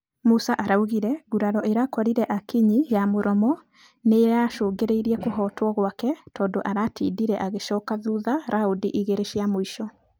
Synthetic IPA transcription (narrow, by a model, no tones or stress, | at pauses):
musaʔaɾauɣiɾɛɣuɾaɾɔʔeɾakɔɾiɾɛʔakiɲijamoɾɔmɔ | neːɾaʃoːŋɡeɾeiɾiɛkoɦɔːtwɔɣwakɛtɔːndoʔaɾatiːdiɾɛʔaɣeʃɔːkaðuːðaɾʔaodiʔiɣeɾeʃiamoiʃɔ